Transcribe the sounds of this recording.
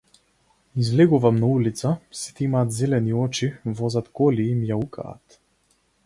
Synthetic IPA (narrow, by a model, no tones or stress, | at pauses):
izvlɛɡuvamnaulit̪sasi̥t̪ɛimaːt̪zɛlɛniɔt͡ʃivɔzat̪kɔliːmjaukʰa̰ːt̪